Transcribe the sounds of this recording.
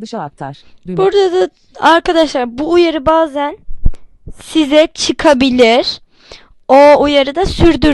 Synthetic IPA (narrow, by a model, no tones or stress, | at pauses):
aɾbuɾd̪ad̪a | aɾkʰad̪aʃlˠaɾbuːjaɾɯbaːzæn | sizɛt͡ʃʰɯkʰabilʲiɾ̥ | oujaɾɯd̪asyɾd̪y